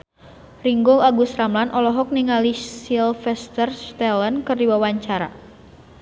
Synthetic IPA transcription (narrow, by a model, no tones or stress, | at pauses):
riŋɡɔlaɡusramlanʔɔlɔɦɔk̚niŋalisilfɛst̪ərst̪ɛlənkɨrdiwawaɲt͡ʃaɾa̰